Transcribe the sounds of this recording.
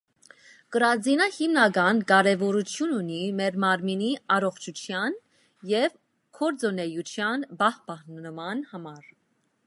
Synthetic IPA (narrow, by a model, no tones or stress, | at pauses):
kəɾɑd͡zinɑhimnɑɡɑnkɑɾɛvɔɾut͡sʰjununimɛɾmɑɾminiɑɾɔχt͡ʃʰut͡sʰjɑn | jɛv | kʰɔɾd͡zɔnɛjut͡ʃʰjɑnbɑhbɑhnəmɑnhɑmɑɾ